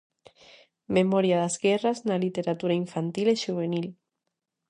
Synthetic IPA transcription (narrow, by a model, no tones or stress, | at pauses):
memɔɾjaðazɣɛraznalit̪eɾat̪uɾaiɱfant̪ileʃuβenil